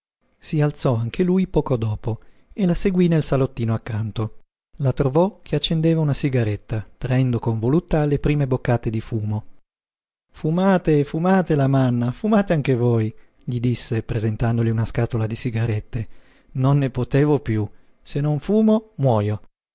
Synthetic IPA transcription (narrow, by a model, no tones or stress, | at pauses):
sialt̪sɔaŋk̟ʰelujpɔːkod̪ɔːpo | elaseɡwinelsalot̪ːiːnoakːant̪o | lat̪ɾovɔkʰeat͡ʃːend̪eːvaunasiɡaɾet̪ːat̪ɾaɛnd̪okoɱvolut̪ːalepɾiːmebokːaːt̪ed̪ifuːmo | fumaːt̪efumaːt̪elamanːafumaːt̪eaŋkevoːj | ʎid̪isːepɾezent̪and̪oliunaskaːt̪olad̪isiɡaɾet̪ːe | nonːepot̪eːvopju | senoɱfuːmomwɔːjo